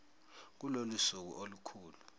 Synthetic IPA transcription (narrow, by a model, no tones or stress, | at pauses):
k̬ulolusuk̬ṵʔolukʰuːlu